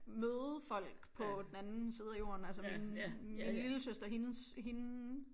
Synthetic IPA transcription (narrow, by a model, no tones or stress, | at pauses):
møːð̩ˠfɒ̽l̰ɡ̥pʰɒ̽d̥enænn̩sið̞̩ˠæijo̝̰ːɐnælsəminminliləsøsd̥ɐɦinəsɦinə